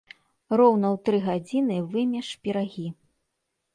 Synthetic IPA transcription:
rɔwn̪ɐwt̪ɾɨɣad͡zʲinɨvɨmʲɛʂpʲiɾaɣʲi

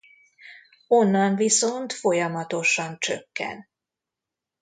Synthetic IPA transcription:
o̞nːɒɱviso̞nt̪fo̞jɒmɒt̪o̞ʃɒnt͡ʃøkːɛ̰n

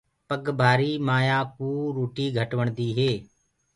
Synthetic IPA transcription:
pəɡbʱaːɾiːmaːjaːkuːɾoːʈiːɡʱəʈʋəɳ̃d̪iːɦeː

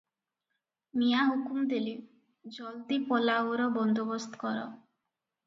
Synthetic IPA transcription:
mijaɦukumd̪eli | d͡ʒɔld̪ipɔlawɾɔbɔnd̪obɔst̪ʰɔ̥kɔɾɔ̰

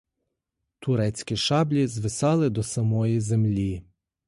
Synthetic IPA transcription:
t̪ʊɾɛt͡sʲkʲiʃɑblʲizʋɪsɑlˠɪd̪ɔsɐmɔjizemlʲi

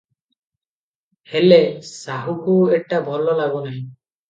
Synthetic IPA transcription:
helesaɦukueʈabʱɔlɔlaɡɔnaɦĩ

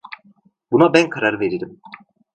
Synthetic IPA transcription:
bunabænkʰaɾaɾɯve̞ɾiɾim

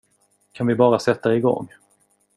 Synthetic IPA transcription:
kʰanvɪbɑːɾasɛt̪ːaɪɡɔ̰ŋː

